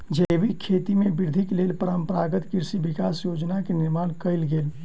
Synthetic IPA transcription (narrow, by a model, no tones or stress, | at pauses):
d͡ʒəjʋikʰet̪imebɪɾd̪ʱikleːlpəɾəmpəɾaːɡət̪kiɾsibikaːsjod͡ʒnakenɪɾmaːnkəɪlɡeːl